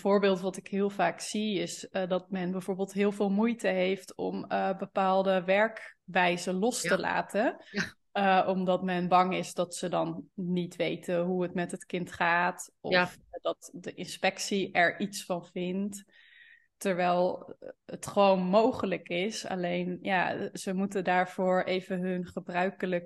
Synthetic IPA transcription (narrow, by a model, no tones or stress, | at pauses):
vʊːɹbɪːlˠtʋɑtɪkɦɪːlˠvaːksiɪsdɑt̚mɛnbɛjvʊːɹbeːlˠtɦɪːlˠvɪːlˠmujtəɦejftɔ̰məbəpaːlˠdəʋɛɹkʋɛjzəlɔstəla̰ːtʰə | ʔɔmdɑtmɛnbɑŋɪsdɑtsədɑnːitʋejtʰəɦuətmɛtɦətkɪntχaːtʔɔfdɑtdəʔɪnspɛksiɛɹʔitsfɑnvɪnt | təɹʋɛjlˠətχəʋownmowχələkɪsa̰lejnjazəmutədaːɹv̥ʊːɹʔejvənɦɵnχəbrœɥkələk